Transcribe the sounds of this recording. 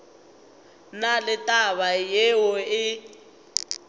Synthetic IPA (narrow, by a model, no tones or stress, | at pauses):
nalɪtʼaβajewɔɪ